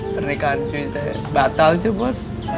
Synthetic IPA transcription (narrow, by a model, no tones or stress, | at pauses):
pərnekant͡ʃuit̪ɛ | bat̪alt͡ʃəbɔs